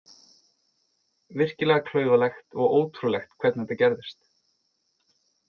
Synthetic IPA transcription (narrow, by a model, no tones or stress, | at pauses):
vɪr̥cɪlɛɣakʰl̥œːɥvalɛxt̪ɔɣoːwt̪ʰɾulɛxt̪kʰvɛt̪nθɛt̪acɛɾðɪst̪